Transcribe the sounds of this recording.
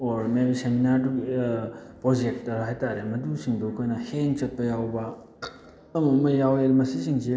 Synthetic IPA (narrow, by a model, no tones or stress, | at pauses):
oɾmeɾiseminaɾdu | pɾod͡ʒek̚tɐɦajtaɾemɐdusiŋdukʰojnɐheŋt͡ʃɐt̚pɐjawbɐ | ɐmɐmɐjawelmɐsisiŋsi